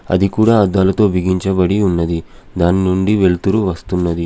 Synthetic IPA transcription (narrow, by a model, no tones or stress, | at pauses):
ɐ̰d̪ikuːɽaːɐd̪ːaːlɐt̪o̞ːbiɡiɲt͡ʃɐbɐɽiunːɐd̪i | d̪aːninuɳɖiʋe̞ɭt̪uɾuʋɐst̪unːɐd̪i